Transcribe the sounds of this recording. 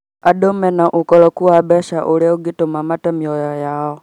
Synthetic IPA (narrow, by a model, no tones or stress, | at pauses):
aɗɔmɛnaʔukɔlɔkuwabɛʃaʔulɛuɡitomamatɛmiɔjajaɔ